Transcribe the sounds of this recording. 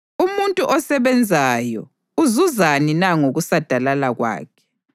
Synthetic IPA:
umuntʼuʔɔsɛβɛnd͡zʱajɔ̰ | uzuzaninaŋoɣusad̥ʱalalaɣwa̰ːkʰɛ̥

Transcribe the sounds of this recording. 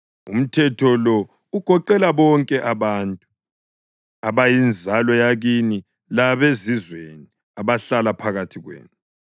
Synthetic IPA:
ṵm̩tʰɛtʰɔlɔ | uɡ̥ʱɔǃɛlaβɔŋkʼɛʔaβantʼu | aβajind͡zʱalɔjaɣini | laβezizweni | aβaɬalapʰaɣatʰiɣwḛːnu

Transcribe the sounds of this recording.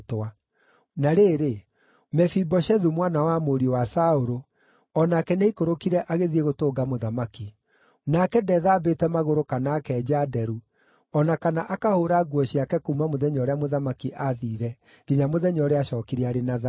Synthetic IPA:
twa | naɾeːɾe | mɛfibɔʃɛðumwanawamoɾiwasaoɾo | ɔnakɛneikoɾokiɾɛʔaɣeðieɣotoːɡamoðamaki | nakɛdɛðaːbetɛmaɣoɾokanaːkɛːd͡ʑadɛɾu | ɔnakanaʔakahoːɾaɡwɔɕiakɛkoumamoðɛɲɔɾeamoðamakiʔaðiːɾɛ | ɣ̥iɲamoðɛɲɔɾeaɕɔkiɾiaɾenaða

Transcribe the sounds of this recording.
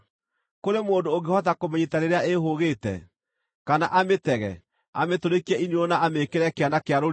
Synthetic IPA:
koɾemoːndoːŋɡehɔtakomɛɲitaɾeɾeaeɦoɣetɛ̰ | kanaʔametɛɣɛ̰ | a̰metoɾekiɛineonaamekeɾɛkeanakeaɾoɾ

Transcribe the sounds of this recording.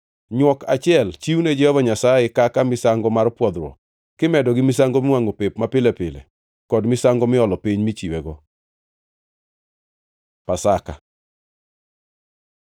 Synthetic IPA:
ɲwɔka̰t͡ʃɪɛlt͡ʃiwned͡ʒɛhɔvaɲasajɛkakamɪsaŋɡɔmarpwɔd̪ɾwɔ̰ | kɪmɛdɔɡɪmɪsaŋɡomɪwaŋopepmapɪlɛpɪlɛ̰ | kɔdmɪsaŋɡɔmɪɔlɔpiɲmit͡ʃiwɛɡɔ | pasaka̰

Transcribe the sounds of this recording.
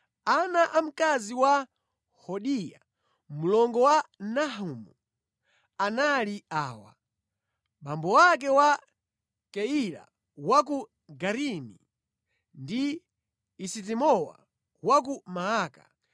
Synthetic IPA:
anaʔam̩kaziwa | hɔɗija̰ | mulɔŋɡɔwanaɦumu | analiaːwa̰ | ɓambɔwak̬ɛwa | kɛila̰ | wak̬u | ɡaɾimḭ | ndiː | sit̬imɔwa̰ | wak̬umaaːka̰

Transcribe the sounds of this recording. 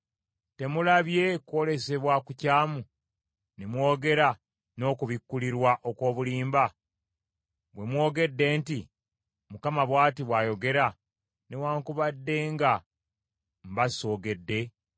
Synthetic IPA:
te̞mulaβje̞kwo̞le̞se̞βwakucaːmu | nemwo̞ːɡe̞ɾa | no̞ːkuβikːuliɾwaʔo̞ko̞ːβuliːmba | βwe̞mwo̞ːɡe̞dːe̞ːnti | mukamaβwaːtiβwaːjo̞ɡe̞ɾa | newaːŋkuβadːe̞ːŋɡa | mbaso̞ːɡe̞dːe̞

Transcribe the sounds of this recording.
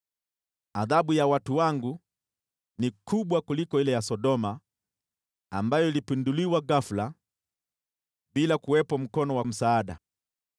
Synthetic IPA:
aðaɓujawatuwaŋɡu | nikʰuɓwakulikɔilɛjasɔɗɔma | ambajɔilipinduliwaɡafula | ɓilakuwɛpɔm̩kɔnɔwam̩saːɗa̰

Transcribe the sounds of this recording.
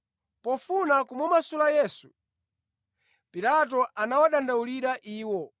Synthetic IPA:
pɔfunakumumasulajɛːsu̥ | piɾatɔʔanawaɗandauliɾaʔiːwɔ

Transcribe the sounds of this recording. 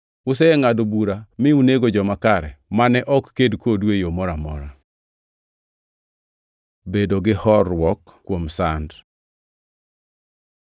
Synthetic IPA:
ʊs̬ɛɛŋadobuɾamɪuneɡod͡ʒɔmakaɾɛ̰manɛʔɔkːedkwodwejomɔɾamɔ̰ɾa | bedoɡɪhɔrwɔkːwomsand

